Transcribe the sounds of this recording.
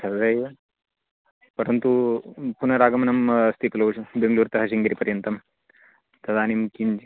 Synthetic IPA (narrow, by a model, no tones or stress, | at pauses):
sɐd̪ɐjɐ | pɐɾɐnt̪upunɐɾaːɡɐmɐnɐmst̪ʰikɐlɐʋʃubeŋɡluːɾt̪ɐɦɐsiŋɡiɾipɐɾjɐnt̪ɐm | t̪ɐd̪aːnimkiɲd͡ʒ